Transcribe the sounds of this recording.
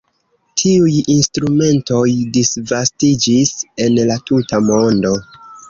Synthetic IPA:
tʰiujinstɾume̞nto̞jdisvastid͡ʒise̞nlatutamo̞ndo̞

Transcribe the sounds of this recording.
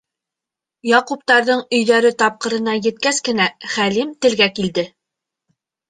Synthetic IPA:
jɑqup̚t̪ɑɾðɤɴɵ̆jðæɾɘt̪ɑp̚qɤ̆ɾɤ̆nɑjɘ̆t̪̚kæskɘ̆næχælimt̪ɘ̆lɡækild̪ɘ

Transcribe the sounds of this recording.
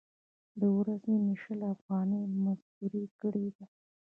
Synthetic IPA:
d̪əwɾazeniʃəlafɣɑnəjmazbuɾikəɽed̪a

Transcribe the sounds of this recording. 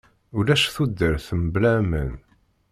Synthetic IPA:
ʊlæʃθud̪ːəɾθəmblæmə̰n

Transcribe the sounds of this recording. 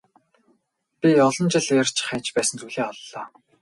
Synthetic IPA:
pʲiɔɮɞ̆nt͡ɕɪ̆ɮeːr̥t͡ɕχæːt͡ɕpæːsə̆nt͡sʰujɮeːɔɮːɔː

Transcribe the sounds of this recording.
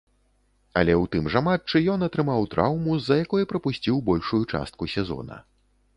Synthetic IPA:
ɐ̰lʲɛwt̪ɨmʐamat͡ʂɨjɔnɐt̪ɾɨmawt̪ɾa̰wmuzɐjakɔjɐpɾɐpusʲt͡sʲiwbɔlʲʂujut͡ʂa̰st̪̚kusʲɛzɔ̰nɐ̰

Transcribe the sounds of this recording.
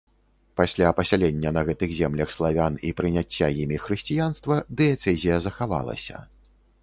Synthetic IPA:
pasʲlʲapɐsʲalʲɛnʲːɐnɐɣɛt̪ɨɣzʲɛmlʲɐxslˠavʲanipɾɨnʲat͡sʲːajimʲixɾɨsʲt͡sʲijanst̪vɐd̪ɛɛt̪sɛzʲijɐzɐxava̰lˠɐ̰sʲɐ̰

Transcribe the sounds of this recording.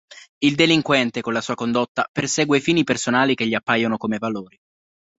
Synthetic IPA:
ild̪eliŋkwɛnt̪ekonlasuːakond̪ot̪ːapersɛːɡwefiːnipersonaːlik̟eʎːiapːajonokomevaloːɾi

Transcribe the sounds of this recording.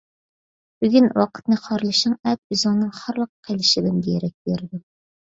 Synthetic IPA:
b̥yɡʲynwɑqʰə̥t̪̚nɨχɑɾlˠɨʃɨŋɛt̪̚bɪzuŋnɨŋχɑɾlˠəqqʰːelˠɪʃɪd̪ɪmɡʲijɛɾɛk̚ʲbeɾd̪u

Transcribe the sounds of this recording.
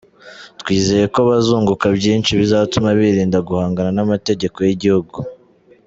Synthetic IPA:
twiːze̞je̞ko̞βazuːŋɡukabjiːnt͡ʃiβizatumaβiɾiːndaɡuhaːŋɡananamate̞ɟe̞ko̞jiɟihuɡu

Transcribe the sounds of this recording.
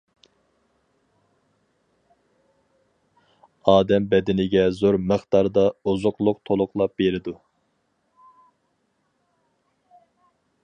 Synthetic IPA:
ɑːd̪ɛmbɛd̪ɪnɪɡʲɛzoɾməχt̪ɑɾd̪ɑuzʊqlˠʊq̚t̪ʰolˠʊqlˠɑp̚beɾɪd̪u

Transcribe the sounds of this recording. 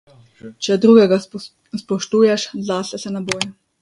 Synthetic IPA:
t͡ʃɛd̪ɾuɡɛɡa | spɔʃt̪uːjɛʃzaːsɛsɛnaboːjɛ

